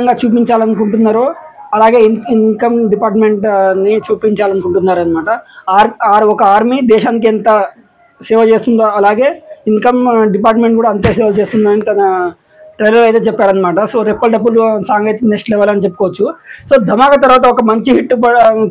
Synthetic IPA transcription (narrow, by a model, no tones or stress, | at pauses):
ŋɡaːt͡ʃuːp̬iɲt͡ʃaːlɐnukuɳʈunːaːɾoɐlaːɡe̞ːiniŋkɐmɖipaːɾʈmeɳʈnit͡ʃuːpiɲt͡ʃaːlɐnukuɳʈunːaːɾɐnːɐmaːʈɐaːɾaːɾɔkɐaːɾmid̪ɛːʃaːnik̬iɛnt̪ɐ | sɛːʋɐt͡ʃeːst̪und̪oːɐlaːɡe̞ːiŋkɐmɖip̬aːɾʈmeɳʈkuːɽaːnt̪eːs̬ɛːʋɐt͡ʃeːst̪und̪aːnit̪ɐnɐ | ʈɾɐjlɐɾɐjt̪e̞ːt͡ʃɛpːaːɽɐnːɐmaːʈɐsoːɾepːɐlɖɐbːulusaːŋɡɐt̪ineksʈlɛʋelɐnit͡ʃepːukɔːʋɐt͡ʃːuso̞ːd̪ʱɐmaːkɐt̪̬ɐɾʋaːt̪̬ɐɔkɐmɐɲt͡ʃiɦiʈːpɐ